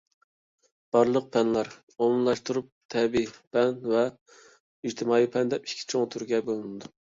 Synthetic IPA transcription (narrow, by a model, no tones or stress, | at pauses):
b̥ɑɾlˠəq̚pʰɛnlɑɾ | omˠmmlˠɑʃt̪uɾup̚t̪ʰɛbipʰɛnvɛ | id͡ʒt̪ʰɪmɑːipʰɛnd̪ɛpi̥kʲʰːi̥t͡ʃʰoŋt̪ʰuɾɡʲɛbolˠɨnɨd̪u